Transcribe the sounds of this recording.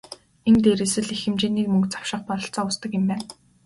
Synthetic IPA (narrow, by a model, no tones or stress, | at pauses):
ent̪eːɾesɘ̆ɮixɘ̆mt͡ɕeːniːkmɵŋkt͡sḁw̥ʃɪ̆χpɔɮɞ̆ɬt͡sɔːʊst̪ə̆kɪ̆mpæːn